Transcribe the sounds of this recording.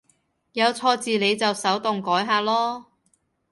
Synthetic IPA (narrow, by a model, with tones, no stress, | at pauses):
jɐ˨˧wt͡sʰɔː˧t͡siː˨le˨˧jt͡sɐ˨wsɐ˨˥wt̪ʊ˨ŋkɔː˨˥jɦaː˧lɔː˥